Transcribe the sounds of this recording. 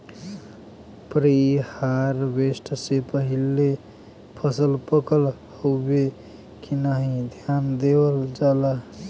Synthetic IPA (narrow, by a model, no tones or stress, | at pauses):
pɾihaɾbesʈsepəɦile | pʰəsəlpəkəl | hobe | kinəɦĩd̪ʱjand̪ebəld͡ʒalə